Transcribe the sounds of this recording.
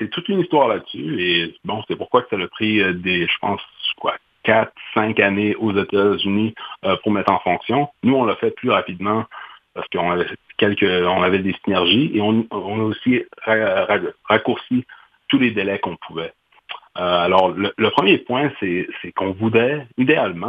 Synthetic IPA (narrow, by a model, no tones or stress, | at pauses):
sɛt̪ut̪ynist̪waːʁlad̪syebɔ̃sɛpuʁkwaksaləpχid̪eʒ̥ə̥pɑ̰̃skwa̰ | kʲat̪χsɛ̃kaneozet̪azyniøpuʁmɛt̪χɑ̃fɔ̃ksjɔ̃nuɔ̃lafɛplyʁapid̪mɑ̃paʁsə̥kəɔ̃navɛɛkʲɛlkʲəɔ̃navɛd̪esinɛʁʒieɔ̃ɔ̃naosiʁaʁaʁakuʁsi | t̪uled̪elɛkɔ̃pʰuvɛ | øalɔːʁlələpχəmjepwɛ̃sɛsɛkɔ̃vud̪ʁɛid̪ealmɑ̃